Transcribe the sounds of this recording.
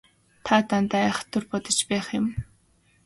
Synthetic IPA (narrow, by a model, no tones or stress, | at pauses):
t̪ʰaːt̪ant̪aːæχə̥̆t̪ʰːɵrpɔt̪ɞ̆t͡ɕpæːχjʊ̆m